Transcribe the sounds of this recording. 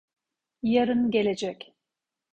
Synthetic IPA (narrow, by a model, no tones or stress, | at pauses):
jaɾɯnɟe̞lʲed͡ʒɛc